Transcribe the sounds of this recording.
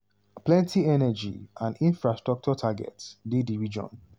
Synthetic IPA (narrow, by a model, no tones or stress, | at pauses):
plɛ̃ntiɛnɛd͡ʒḭãndĩnfɹastɹɔk̚t͡ʃɔtʰaɡɛ̰tsdediɹid͡ʒɔ̰̃n